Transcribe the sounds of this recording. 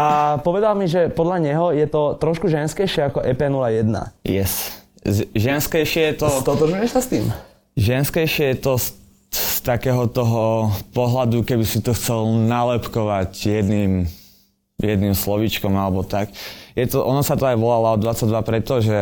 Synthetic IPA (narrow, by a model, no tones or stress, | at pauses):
ʔapɔʋɛd̪almiʒɛpɔd̪ʎaɲɛɦɔjɛt̪ɔt̪ɾɔʃkuʒɛnskɛjʃɪɛakɔʔɛpɛnulajɛd̪na̰jɛs | ʒɛnskɛjʃɪɛjɛt̪ɔd̪ɔt̪ɾʒujɛsast̪iːm | ʒɛnskɛjʃɪɛjɛt̪ɔs | st̪akɛːɦɔt̪ɔɦɔpɔɦlad̪ukɛbisit̪ɔxt͡sɛlnalɛpkɔʋacjɛd̪niːm | jɛd̪nimslɔʋit͡ʃkɔmalɛbɔt̪akjɛt̪ɔʔɔnasat̪ɔajʋɔlalaɔd̪ʋat͡sːaɟ̚d̪ʋapɾɛt̪ɔʒɛ